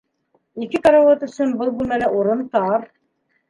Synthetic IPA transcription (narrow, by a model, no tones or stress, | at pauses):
ikɘt̪ɑɾɑwɑt̪ɵ̆sɵnbɤlˠbunælæʔuɾɤnt̪ɑɾ